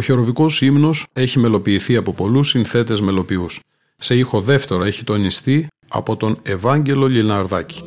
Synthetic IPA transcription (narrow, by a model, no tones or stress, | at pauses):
oçeɾo̞viko̞simno̞se̞çime̞lo̞piːθiɐpopo̞lusinθe̞t̪e̞zme̞lo̞pius | se̞ixo̞ðe̞ft̪e̞ɾoe̞çit̪o̞nist̪i | ɐ̰po̞t̪o̞ne̞vɐɲɟe̞lo̞ʎinɐɾðɐci̥